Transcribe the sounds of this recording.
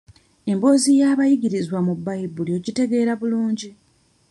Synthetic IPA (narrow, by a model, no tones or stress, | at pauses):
e̞mbo̞ːzijaːβajiɡiɾizwamubːajibːuljo̞ɟite̞ɡe̞ːɾaβuluːɲɟi